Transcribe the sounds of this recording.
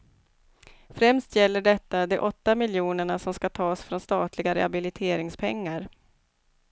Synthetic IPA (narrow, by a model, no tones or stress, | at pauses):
fɾɛmst̪jɛlːəɖɛt̪ːad̪ɛʔɔt̪ːamɪljuːnəɳasɔmskat̪ʰɑːsfɾɔnst̪ɑːt̪ʰlɪɡaɾɛ̰habɪlɪt̪ʰeːɾɪŋspʰɛŋːaɾ